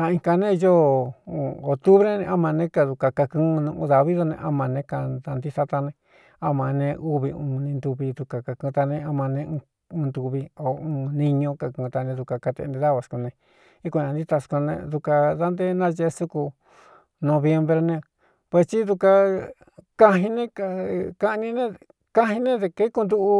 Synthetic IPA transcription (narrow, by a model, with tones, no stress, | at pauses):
ã˧ĩ˧ka˧nẽ˦˧jo˦u˧˨o˨t̪u˦βɾe˦nẽ˧ʔa˦mã˧nẽ˧˦ka˧ðu˧ka˧ka˧kɨ̃ː˦˧nũ˧ʔũ˧˦ða˨βi˦ðo˧nḛ̃˧ʔa˦˧mã˧nẽ˧ka˧ða˧nd̪i˦sa˧˦t̪a˧nẽ˧ | a˦mã˨nẽ˧ʔu˦βi˧ũː˧nĩ˧nd̪u˧βi˧ðu˧ka˨ka˧kũ˧t̪a˧nẽ˧a˧mã˧nẽ˧ũ˧ | ũ˧nd̪u˧βi˧o˨ũː˧nĩ˧ɲõ˧ka˨kũː˧t̪a˧nẽ˧ðu˧ka˧ka˧t̪ḛ˧nd̪ẽ˧ða˦βa˧˨sku˧nẽ˧ | i˦kõ˧ã˧nd̪i˦t̪a˧sku˧nḛ̃˧ðu˧ka˧ða˦nd̪e˦nã˦ʒe˧su˦ku˧ | nõ˧βje˧mbɾe˧nẽ˧ | pe˧st͡ʃi˦ðu˧ka˧ | ka˧ɦĩ˧nẽ˦ka˧˨ka˦ʔnĩ˧nẽ˦ | kã˦ɦĩ˧nẽ˦ðe˧ke˦ku˧nd̪u˦ʔu˧